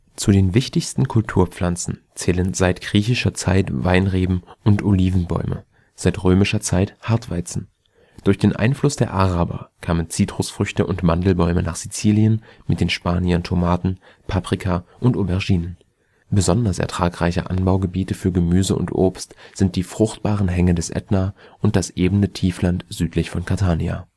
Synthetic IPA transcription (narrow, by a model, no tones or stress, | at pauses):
t͡sudeːnvɪçtɪçstn̩kʰʊltʰuːɐp͡flant͡sn̩ | t͡sɛːlənzaɪtɡ̥ʁiːçɪʃɐt͡saɪtvaɪnʁeːbm̩ʔʊntʔoliːvn̩bɔ̰ʏmʔə̰ | z̥aɪtʁøːmɪʃɐt͡saɪthaɐtv̥a̰ɪt͡sn̩ | d̥ʊɐçd̥eːnʔa̰ɪnflʊsd̥eːɐʔaʁaːbɐ̰kʰaːmənt͡siːtʁ̥ʊsfʁ̥ʏçtəʔʊntmandl̩bɔʏmənaːχz̥it͡siːljənmɪt̚d̥eːnʃpaːniɐntʰomaːtn̩ | pʰapʁ̥ikʰaʔʊntʔobɛɐʒiːnən | bəzɔndɐsʔɛ̰ɐtʁ̥aːkʁ̥aɪçə̰ʔa̰nbaʊɡəbiːtəfyːɐɡəmyːzəʔʊ̰ntʔo̰ːpstz̥ɪnt̚d̥iːfʁ̥ʊχt̚b̥aːʁənɦɛŋədɛsʔɛ̰tnaːʔʊnt̚d̥asʔeːbn̩ətʰiːflantz̥yːtʰlɪçfɔnkʰaɐtʰaːnia̰ː